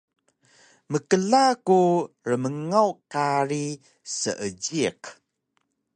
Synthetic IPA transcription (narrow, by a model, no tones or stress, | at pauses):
məkəɮaku | ɾəməŋawkaɾi | sə̰ʔəɟiq